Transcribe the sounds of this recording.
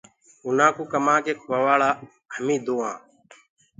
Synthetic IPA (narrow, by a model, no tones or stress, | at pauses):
ʊnãːkuːkəmãːkeːkʰʋaːʋaːɭaː | həmĩːd̪oːãː